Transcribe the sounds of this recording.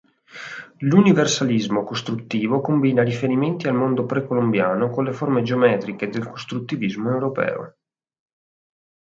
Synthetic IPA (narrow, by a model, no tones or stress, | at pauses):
luniversalizmokost̪ɾut̪ːiːvokombiːnaɾifeɾiment̪ialmond̪opɾekolombjaːnokolːeformed͡ʒeomɛːt̪ɾiked̪elkost̪ɾut̪ːivizmoewɾopɛ̰ːo̰